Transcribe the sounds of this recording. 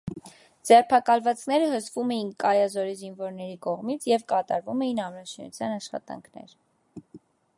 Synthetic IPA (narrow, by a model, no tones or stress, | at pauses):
d͡zɛrpʰɑkɑlvɑt͡sʰnɛɾəɦəsvumɛjinkɑjɑzɔɾizinvɔɾnɛɾikɔʁmit͡sʰjɛvkɑt̪ɑ̰ɾvumɛjinɑmɾɑʃinṵt͡sʰjɑnɑʃχɑ̰t̪ɑ̰ŋkʰnɛ̰ɾ